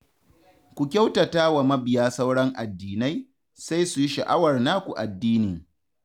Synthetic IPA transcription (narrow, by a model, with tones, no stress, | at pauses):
kʷu˨kʲa˦wta˨taː˦wa˨mɐ˦bɪ˨jaː˦sa˦wɽɐ˦ŋʔa˨dːiː˨na˦j | sa˦jsu˨ji˦ʃɐ˨ʔa˦wɐ˨rna˦kʷu˨ʔa̰˨dːiː˦niː˨